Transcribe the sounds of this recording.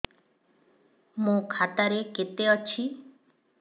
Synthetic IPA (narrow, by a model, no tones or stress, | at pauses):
mũkʰat̪aɾeket̪eɔt͡ʃʰi